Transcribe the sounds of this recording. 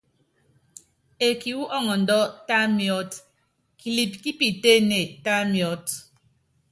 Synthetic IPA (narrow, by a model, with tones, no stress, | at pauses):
e˨ki˨wu˦ʔɔ˦ŋɔ˨n̩˨dɔ˦ta˦mjɔ˦t | ki˨li˨p̚ki˦pi˨te˦ne˨ta˦mjɔ˦t